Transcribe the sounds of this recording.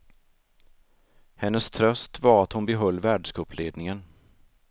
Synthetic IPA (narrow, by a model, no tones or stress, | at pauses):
hɛnːəst̪ʰɾœst̪vaɾat̪hʊnbɛɦœlːvæːɖʂkɑːpleːd̪nɪŋən